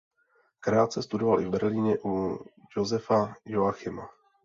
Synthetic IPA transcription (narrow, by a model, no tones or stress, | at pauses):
kɾaːt̪t͡sɛst̪udovalʔɪvbɛɾliːɲɛʔujozɛfajoaxɪma